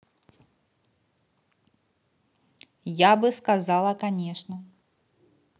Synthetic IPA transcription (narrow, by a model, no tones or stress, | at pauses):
jabɨskazalˠɐkanʲɛʂnɐ